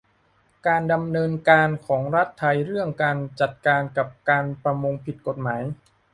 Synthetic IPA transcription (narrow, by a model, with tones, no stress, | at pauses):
kaː˧nda˧mnɤː˧nkaː˧nkʰɔː˩˦ŋɾa˦˥t̪ʰːa˧jɾɯ˥˩əŋkaː˧nt͡ɕa˨˩t̪̚kaː˧nka˨˩p̚kaː˧npɾa˧mo˧ŋpʰi˨˩t̪̚ko˨˩t̪̚maː˩˦j